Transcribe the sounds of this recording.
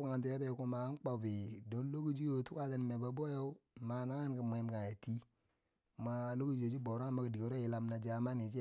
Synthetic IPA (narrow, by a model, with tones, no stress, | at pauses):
a˦ŋa˨nt̬u˨˦a˦bɛ˨ku˦ma˨a˦n˦k͡pa˨bi˨do˨˦lo˦ɡu˦d͡ʒi˦jo˨tu˦ka˦˨ta˦n˨me˨ba˨bo˦jo˦ma˨na˦ŋa˦nka˨m˨e˨mka˨ja˨ti˦˨ | ma˦lo˦ɡu˦d͡ʒo˨d͡ʒi˦bo˨ɾo˦a˦ma˦ka˨di˨ko˨˦ɾo˦i˨la˨mna˨d͡ʒa˨ma˦ni˨t͡ʃi˦